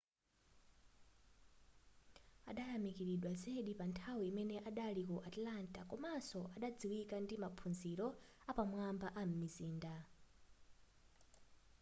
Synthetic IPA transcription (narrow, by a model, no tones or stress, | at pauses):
a̰ɗaɾamikiɾiɗwazeɗipantʰawiːmɛnɛʔaɗalikuʔatlantakɔmasɔʔaɗad͡ziwikandimapʰunziɾɔ | apamwambaʔam̩miziːnda